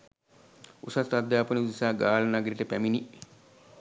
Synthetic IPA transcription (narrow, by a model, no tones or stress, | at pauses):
usasad̪jaːpɐniud̪isaːɡaːlɐnaɡəɾiʈəpæmini